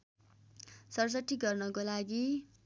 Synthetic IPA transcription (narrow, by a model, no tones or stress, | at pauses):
sʌrʌsʌʈ̪ːiɡʌrnʌkolaɡi